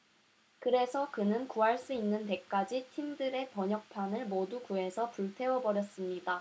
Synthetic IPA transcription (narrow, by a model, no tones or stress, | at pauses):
kɯɾe̞sʰʌkɯnɯnkuɦaɭs͈uinːɯnt̬e̞k͈ad͡ʑitʰimdɯɾe̞pʌɲʌk̚pʰanɯɭmodukue̞sʰʌpuɭtʰe̞wʌbʌɾjʌs͈ɯmɲida